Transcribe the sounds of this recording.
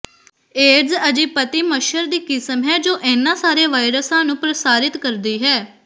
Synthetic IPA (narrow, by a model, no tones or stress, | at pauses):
eːɖzəd͡ʒiːpət̪iːməʃəɾd̪iːkɪsəmɦɛːd͡ʒoːʔɛːnːãːsaːɾeːʋaːɪɾəsãːnũːpɾəsaːɾɪt̪kəɾd̪iːɦɛː